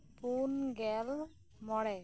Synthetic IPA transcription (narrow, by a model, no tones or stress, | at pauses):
puːnɡel | mɔɽe